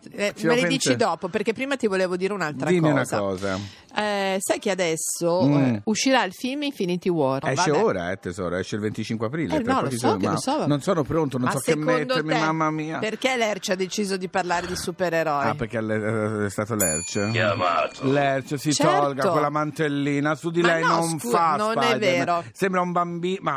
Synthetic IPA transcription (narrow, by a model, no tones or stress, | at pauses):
sileed̪it͡ʃid̪ɔːpoperkepːɾiːmat̪ivoleːvod̪iːɾeunaltd̪ɾaimːiunakɔːza̰ | ɛsajk̟ead̪ɛsːouʃːiɾailfilmiɱfinit̪iwɔrɛvaːeoːɾa̰ɛt̪ezɔ̰ːɾo̰ɛʃːeilvent̪it͡ʃiŋkweapɾiːleɾɔlɔisɔkalosɔnonsɔːnopɾont̪ononmsɔkːemːoet̪d̪eɾmimamːamiːaperkelɛrt͡ʃad̪ːet͡ʃiːzod̪iparlaːɾed̪isupeɾeɾɔiapeɾkealɛɛst̪aːt̪olɛ̰rt͡ʃama̰t̪olɛrt͡ʃsitt͡ʃ̪ɔlɡakolːamant̪elːiːnasud̪ilɛjnonfanonpaɛːeːɾosɛmbɾaumbambiːma